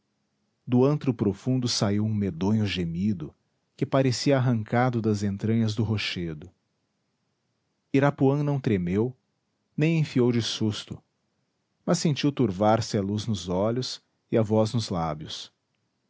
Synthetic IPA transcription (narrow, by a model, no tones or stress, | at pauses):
d̪ʊɐ̃nt̪ɾʊpɾofũnd̪ʊsaiwũmed̪õɲʊʒemid̪ʊ | kɪpaɾesiɐːɦɐ̃ŋkad̪ʊd̪ɐzẽnt̪ɾɐ̃ɲɐzd̪ʊɦoʃed̪ʊ | iɾapuɐ̃nɐ̃w̃t̪ɾemew | nẽj̃ẽfiowd͡ʒɪsust̪ʊ | mɐsːẽnt͡ʃiwt̪uɾvaɾsɪɐluznʊzɔʎʊs | ɪɐvɔznʊzlabjʊs